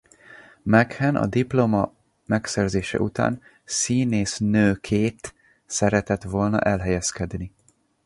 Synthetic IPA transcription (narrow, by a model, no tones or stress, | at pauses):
mɛkhɛnʔɒ̰d̪iplomɒ | mɛksɛrzeːʃɛ̰ʔut̪a̰ːn | siːneːsnøːkʰeːt̪ | sɛɾɛt̪ɛt̪ʋo̞lnɒ̰ʔɛlɦɛjɛskɛd̪ni